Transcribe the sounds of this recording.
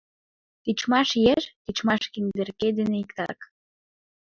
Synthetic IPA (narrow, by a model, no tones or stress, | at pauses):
t̪it͡ʃmɑʃjeʃt̪it͡ʃmɑʃkind̪erked̪eneikt̪ɑ̰k